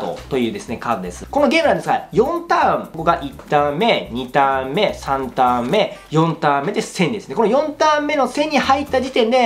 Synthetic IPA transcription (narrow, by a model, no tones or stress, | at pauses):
t̪o̰t̪o̞jɯ̟ːd̪e̞sɨne̞kad̪od̪e̞sɨ̥ko̞no̞ɡʲe̞ːmɯnãnd̪esɡajõ̞nt̪ãmko̞ɡaʔit̪ːãmːe̞ɲ̟it̪ãmːe̞sãnt̪ãmme̞jõ̞nt̪ãmːe̞d̪esẽ̞ɲ̟ʲd̪e̞sɨnekonojõ̞nt̪ãmːe̞no̞sẽ̞ɲ̟ːihait̪ːad͡ʑit̪ẽ̞nd̪e̞